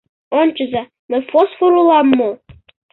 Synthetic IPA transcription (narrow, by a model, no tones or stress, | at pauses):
ont͡ɕə̆zɑ | mə̆fosfoɾulɑmːo